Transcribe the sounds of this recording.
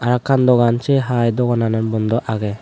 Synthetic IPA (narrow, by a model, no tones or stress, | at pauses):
aɾakʰːand̪ɔɡant͡ʃɛɦajd̪ɔɡanananbɔnd̪ɔʔaɡɛ